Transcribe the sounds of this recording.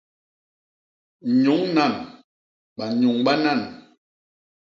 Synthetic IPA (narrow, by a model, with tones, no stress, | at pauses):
ɲo˨˦ŋna˦˨n | ɓa˨ɲu˨ŋɓa˦na˦˨n